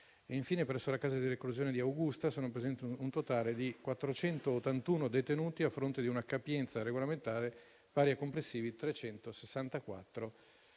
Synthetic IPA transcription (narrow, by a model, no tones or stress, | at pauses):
eiɱfiːnepɾɛsːolakaːzad̪ilekluzjoːned̪iawɡust̪asoːnopɾezɛnt̪iunt̪ot̪aːled̪ikwat̪ːɾot͡ʃɛnt̪oːt̪ːant̪uːnod̪et̪enuːt̪iafɾont̪ed̪iunakapjɛnt̪saɾeɡolament̪aːɾe | paːɾjakomplesːiːvit̪ɾet͡ʃɛnt̪osesːant̪akwa̰t̪ːɾo